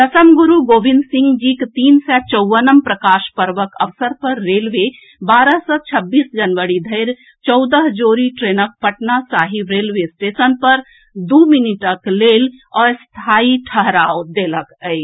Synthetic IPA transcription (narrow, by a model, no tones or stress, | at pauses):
d̪əsəmɡuɾuɡobind̪sĩŋɡd͡ʒikt̪iːnsɛt͡ʃəwʋənəmpɾəkaʃpəɾʋəkəʋsəɾpəɾːelʋe | baɾəɦsət͡ʃʰəbːiːsd͡ʒənʋəɾid̪ʱəɪɾ | t͡ʃɔwd̪əɦd͡ʒoɾiʈɾenək̚pəʈnasaɦibɾelʋesʈesənpəɾ | d̪uminiʈəklelɔɾst̪ʰaiʈʰəɦɾaod̪eləkə